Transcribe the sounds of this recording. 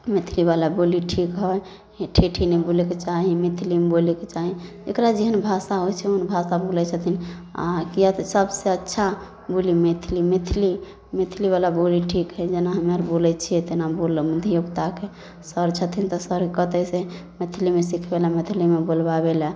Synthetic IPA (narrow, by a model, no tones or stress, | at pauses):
met̪ʰilibalaboliʈʰikɦɔj | ʈʰiʈʰinɛboleket͡ʃaɦimet̪ʰilimeboleket͡ʃaɦid͡ʒekɾad͡ʒeɦənbʱasaɦojt͡ʃʰɛoɦənbʱasabolɛt͡ʃʰət̪ʰina̰kijat̪səbseətːʃʰa | bolimet̪ʰilimet̪ʰili | mit̪ʰiliβalaboliʈʰikɦɛd͡ʒenaɦəmaɾbolɛt͡ʃʰiɛt̪enabolmud̪ʱijokt̪ake | səɾt͡ʃʰət̪ʰint̪ɔsəɾkət̪ɛsemet̪ʰilimesikʰbelamet̪ʰilimebolbabelɛ